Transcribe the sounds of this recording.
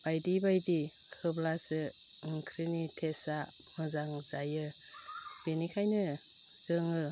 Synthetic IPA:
b̥ajdibajdi | kʰɯblasɯ | ɯŋkʰɾinitʰesa | mɯzaŋzajɯ | b̥enikʰajnɯ | z̥ɯŋɯ

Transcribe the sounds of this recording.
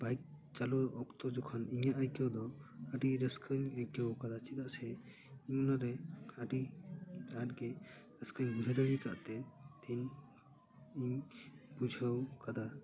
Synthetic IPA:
bajk̚t͡ʃalɔɾɔkt̪ɔd͡ʒɔkʰɔniɲaʔajkɔwd̪ɔaɖiɾɛskʰɯɲajkɛwkad̪at͡ʃit̪aʔsɛ | iɲɔnaɾɛaɖi | at̚ɡɛ | ɾɛskʰəɲbud͡ʒʱad̪ɔɽika̰ʔt̪ɛt̪ʰiɲ | iɲbud͡ʒʱəwkad̪a

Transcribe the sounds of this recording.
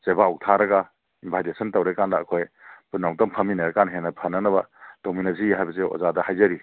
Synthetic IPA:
sebawtʰaɾɐɡɐ | imbʰʱajdesɐntawɾekandɐːkʰojpunːawtɔmpʰɐminɐɾɐkanɦenɐpʰɐnɐnɐbɐd̥ominasiɦajbɐseo̰ɔ̰zadɐhajzɐɾi

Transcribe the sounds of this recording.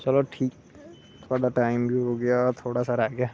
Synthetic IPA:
t͡ʃɐloʈʰiːk̚ | t̪ʰod̪aʈaːɪmbʱiɦoɡɪjat̪ʰoːɽasaɾaːɡɪjaː

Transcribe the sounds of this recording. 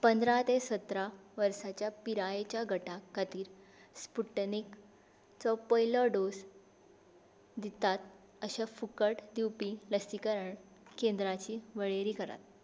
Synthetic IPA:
pənd̪ɾat̪esət̪ɾaʋəɾsat͡ɕjapiɾajet͡ɕjaɡʱəʈakːat̪iːɾ | spuʈnik | t͡sɔpəjlɔɖos | d̪it̪at̪̚ | əɕafukəʈd̪iwpiləsikəɾəɳ | kend̪ɾat͡ɕiːʋəɭeɾiːkəɾa̰t̪̚

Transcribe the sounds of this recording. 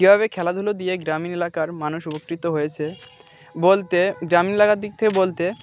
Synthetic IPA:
ibʱaβekʰɛlad̪ʱulod̪ieɡɾaminelakaɾmanuʃubokːɾit̪oɦojet͡ɕʰe | bolt̪eɡɾaminelakaɾd̪ik̚t̪ʰekebolt̪e

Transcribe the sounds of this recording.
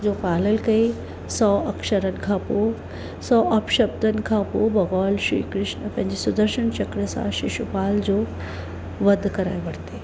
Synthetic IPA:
d͡ʑoːpaːləlkɐi | sɔːʔɐkʃəɾənɪ̆kʰãːpo | sɔːʔɐpʃɐb̚d̪ʱənɪ̆kʰãpobɐɣɔːlʃɾḭːkɾɪʃnəpɐ̃ɦɪ̃ɲd͡ʑesʊd̪əɾʃənt͡ɕɐkɽesã̰ʃɪʃupaːld͡ʑoː | ʋɐd̪ʱkɐɾa̰ːeʋɐɽ̤t̪e

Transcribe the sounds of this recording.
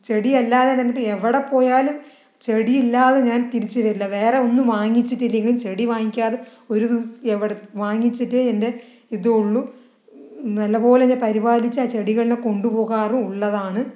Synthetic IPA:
t͡ɕe̞ɽiɐlːaːðenɐnːɐpːɐeʋiɽepːo̞ːjaːlum | t͡ɕe̞ɽijilːaːðeɲaːnt̪iɾit͡ɕːɨʋɐɾilːɐʋe̞ːreo̞nːumʋaːŋːit͡ɕːitːilːiŋɐɭimt͡ɕe̞ɽiʋaːŋikʲːaːðe | o̞ɾud̪iʋɐseʋiɽeʋaːŋːit͡ɕːitːɨende̞ | iðɨuɭːu | nɐlːɐpo̞ːlenepɐɾibaːlit͡ɕːɨaːt͡ɕe̞ɽiɣɐɭineko̞ɳɖupo̞ːɣaːrumuɭːɐðaːɳɨ

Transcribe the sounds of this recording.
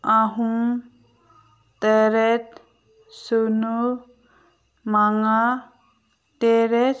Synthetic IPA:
aɦum | t̪eɾet̪ | sunu | maŋa | teɾe

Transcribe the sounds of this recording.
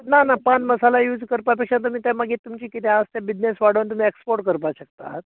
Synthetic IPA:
nanapanməsalajuːd͡zkəɾpapekʂat̪̬um̤iːt̪jaməɡiːt̪ːumt͡ɕiːkit̪ɛast̪jabid͡ʑnesʋaɽ̤əʋnt̪um̤iːekspoɾʈkəɾp̬aɕəkt̪a̰t̪̚

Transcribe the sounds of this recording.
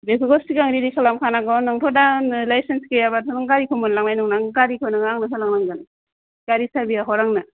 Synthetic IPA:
bekʰuɡɔstikaŋɾidikʰalamkʰanaɡɔnaŋtʰɔdanlajsenskejabatʰɔnɔŋɡaɾikʰɯmɔnlaŋnajnɔŋnaŋɡaɾikʰɯnɯŋaŋnasalaŋnaŋɡana | ɡaɾisabijaɦɔɾaŋna

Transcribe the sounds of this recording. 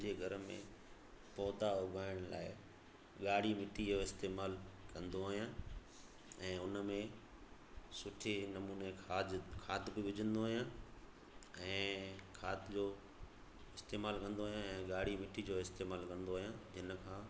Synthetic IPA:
d͡ʑeɡʱɐɾəmḛ̃ | pɔːt̪aʊbʱaːɪɽ̃la̰ːɪ | ɠaːɽ̤imɪʈʰid͡ʑoɪst̪eːmaːlkɐ̃nd̪oaːɦijãː | ɛ̃ːʊnəmẽ | sʊʈʰenɐmuːnekʰaːd͡ʑkʰaːt̪bɪʋʊd͡ʑʱə̃nd̪oɦːɦijã | ɛ̃ːkʰaːt̪d͡ʑoː | ɪst̪eːmaːlkɐ̃nd̪oːɦijãɛ̃ːɠaːɽ̤imɪʈʰid͡ʑoːɪst̪eːmaːlkɐ̃nd̪oːɦijãd͡ʑɪnəkʰãː

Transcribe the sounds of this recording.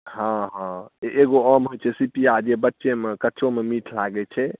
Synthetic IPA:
ɦãɦãeʔeɡoəmɦojt͡ʃʰɛsipiad͡ʒebətːʃemekəːt͡ʃʰomemiʈʰlaɡɛt͡ʃʰɛ

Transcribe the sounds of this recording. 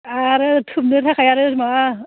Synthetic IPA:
aɾɯtʰup̚nɯtʰakʰajaɾɯma

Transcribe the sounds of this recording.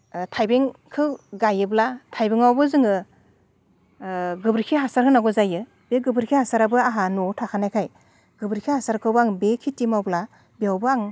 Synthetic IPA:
tʰajbeŋkʰɯwɡajɯblatʰajbeŋawbɯzɯŋɯ | ɡɯbɾikʰiɦasaɾɦɯnaɡɔzajɯ | b̥eɡɯbɾkʰihasaɾabɯaɦanɔtʰakʰanajkʰaj | ɡ̥ɯbɾikʰihasaɾkʰɯwbaŋbekʰitimawbla | beawbɯaŋ

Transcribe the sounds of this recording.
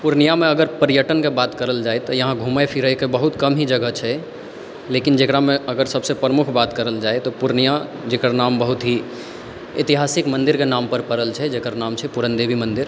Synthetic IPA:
puɾnijamẽəɡəɾpəɾijəʈənkebat̪kəɾəld͡ʒaet̪ɔjəɦãɡʱuməjpʰiɾəjkebəɦut̪kəmɦid͡ʒəɡət͡ʃʰɛ | lekind͡ʒekɾamẽəɡəɾsəbsepɾəmukʰbat̪kəɾəld͡ʒaet̪ɔpuɾnija | d͡ʒekɾnambəɦut̪ɦi | it̪iɦasikmənd̪iɾkenampəɾpəɾəlt͡ʃʰɛd͡ʒekəɾnamt͡ʃʰɛpuɾənd̪ebʱimənd̪iɾ

